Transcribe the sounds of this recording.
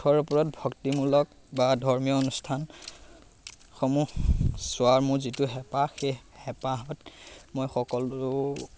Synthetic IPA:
tʰɔɹupɔɹɔt̚bʱɔktimulɔk̚ | badʱɔɹmijɔonustʰan | xɔmuxsʊaɹmʊɹzitʊɦɛpaxe | hɛpaɦɔtmojxɔkɔlʊ

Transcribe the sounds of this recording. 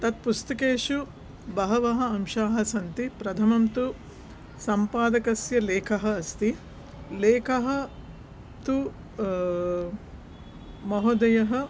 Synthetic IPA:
t̪ɐt̪̚pust̪ɐkeːʂu | bɐɦɐʋɐɦɐ̆ɐmʃaːɦɐ̆sɐnt̪ipɾɐt̪ʰɐmɐmt̪u | sɐmpaːd̪ɐkɐsjɐleːkʰɐɦɐ̆ːst̪i | leːkʰɐɦɐ̆ | t̪u | mɐɦod̪ɐjɐɦɐ̆

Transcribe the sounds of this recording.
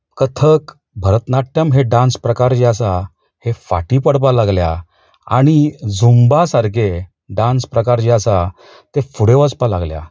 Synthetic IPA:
kət̪ʰək | bʱəɾət̪naʈːjəmɦeɖãnspɾəkaɾt͡ɕiasa | hefa̰ʈipəɽp̬alaɡlja̰ | a̰ɽ̃id͡zumbasaɾɡe | ɖãnspɾəkaɾt͡ɕiasa | t̪efuɽeʋət͡spalaɡlja̰

